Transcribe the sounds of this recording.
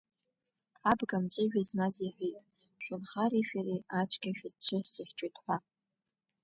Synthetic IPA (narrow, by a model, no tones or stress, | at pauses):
abɡamt͡ʃʼeʒᶣazmaziħʷitʼ | ʃʷʊnχaɾiʃᶣariat͡ʃʷʰʼɡʲaʃᶣat͡ʃʷʰɨsiχʲt͡ʃʷʼitʰʼħʷa